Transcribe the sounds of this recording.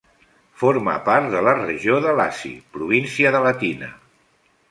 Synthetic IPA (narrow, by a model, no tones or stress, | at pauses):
foɾmə̰paɾt̪ðələrəʒoðəlasḭpɾuβinsiəðələt̪inə̰